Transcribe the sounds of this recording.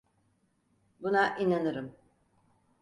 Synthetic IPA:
bunaʔinanɯɾɯm

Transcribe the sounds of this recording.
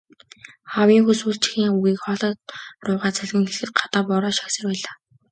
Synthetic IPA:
χawiːŋxuswuːɮt͡ɕɪ̥xiːŋuɣiːkχɔɮɔːt̪̚rʊːʁaːt͡sʰæɮɣɘ̆ŋxeɮxɘ̆t̪̚ɢḁt̪aːpɔɾɔːʃḁksə̆rpæːɮaː

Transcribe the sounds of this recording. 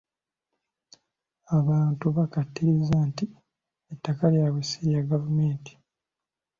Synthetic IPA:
aβaːntuβakatːiɾizanti | etːakaljawesiɾijaɡavume̞ːnti̥

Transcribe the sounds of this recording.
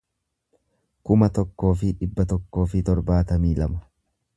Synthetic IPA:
kʊmɐt̪ɔkːo̞ːfɪᶑɪbːɐt̪ɔkːo̞ːfɪt̪ɔɾbaːt̪ɐmiːlɐmɐ̥

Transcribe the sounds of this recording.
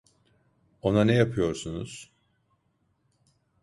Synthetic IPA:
o̞nanɛjapʰɯjo̞ɾsunuz̥

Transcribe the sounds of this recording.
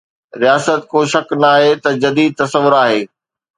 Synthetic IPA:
ɾijaːsət̪koːʃɐknaːɦet̪ɐd͡ʑɐd̪iːd̪̚t̪ɐsəʋʊɾaːɦeː

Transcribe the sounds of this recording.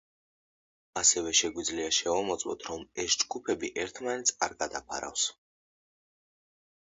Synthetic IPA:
asɛvɛʃɛɡwid̪zliaʃɛvɔmɔt̪sʼwɔ̰t̪ʰɾɔmɛsd͡ʒɡupʰɛbiʔɛɾt̪ʰmanɛt̪sʰa̰ɾɡad̪apʰa̰ɾa̰fs

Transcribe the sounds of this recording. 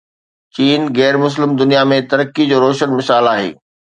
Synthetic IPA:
t͡ɕiːnɣɛːɾmʊs̬lɪmd̪ʊnijamẽt̪ɐɾəkːid͡ʑoːɾoːʃənmɪsaːlaːɦḛː

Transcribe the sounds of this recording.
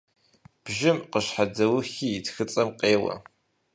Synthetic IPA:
b̥ʒɪmqəʃħadɐwʊxiɪtxɨt͡sʼɐmqʼeːwɐ̰

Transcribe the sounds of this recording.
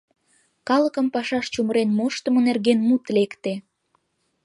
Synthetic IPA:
kɑləkəmpɑʃɑʃt͡ɕuməɾenmoʃt̪ə̆monerɣenmut̪lekt̪e

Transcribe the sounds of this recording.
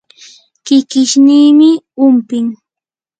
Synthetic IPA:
kɪkɪʃniːmɪ | ʊmpɪŋ

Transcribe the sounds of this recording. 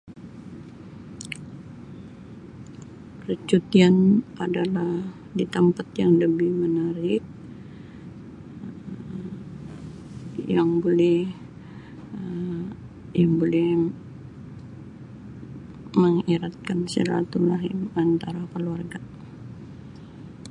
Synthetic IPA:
rət͡ʃut̪ianʔadalah | dit̪ampat̪jaŋləbɪhmənaɾɪk̚ | jaŋbolɛh | jaŋbolɛh | məŋiɾat̪̚kansəɾa̰t̪ulaɦimant̪aɾakəluarɡa

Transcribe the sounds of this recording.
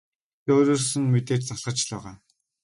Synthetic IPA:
toːɾoːsɘ̆nmet̪eːt͡ɕt͡saɮʁə̆t͡ɕɮɔːʁaː

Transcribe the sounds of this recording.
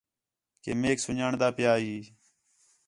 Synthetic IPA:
kḛːmeːksʊɲaːɳd̪aːpjaːɦiː

